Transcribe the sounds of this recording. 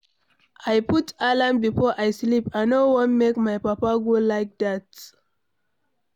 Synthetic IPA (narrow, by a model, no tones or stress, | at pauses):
ʔajputalãmbifɔʔajslipaɪnowɔ̃nmekmajpapaɡolaɪk̚dat